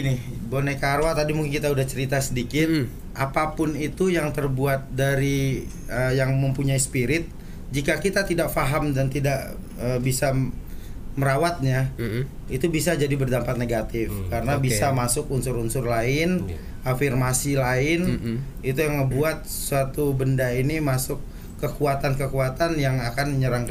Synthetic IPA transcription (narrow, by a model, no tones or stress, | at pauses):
nɪbonekaɾwat̪adimuŋkɪnkit̪audaht͡ʃəɾit̪asədikɪt̪̚ | ʔapapʊnit̪ujaŋt̪ərbuat̪̚daɾi | əjaŋməmpuɲaispiɾɪt̪̚ | d͡ʒikakit̪at̪idak̚faɦamdant̪idaʔ | əːbisa | məɾawat̪̚ɲa | it̪ubisad͡ʒadibərdampat̪̚neɡat̪ɪfkaɾənabisamasʊkunsʊɾunsʊrlaɪn | afirmasilaɪn | it̪ujaŋməbuat̪̚ssuat̪ubəndainimasʊkː | əkuat̪ankəkuat̪anjaŋakanɲəɾaŋk